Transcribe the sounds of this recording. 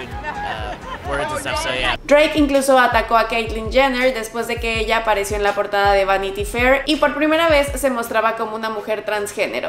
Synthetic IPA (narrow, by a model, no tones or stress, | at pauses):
d̪ɾejkiŋkluso̞at̪ako̞akejt̪lind͡ʒaneɾðe̞spwe̞zðe̞ke̞eʝaːpaɾe̞sjo̞enlapo̞ɾt̪aðaðe̞βanit̪ifeɾipo̞ɾpɾime̞ɾaβe̞sːe̞mo̞st̪ɾaβako̞mo̞unamuxe̞ɾt̪ɾansxe̞ne̞̰ɾo̰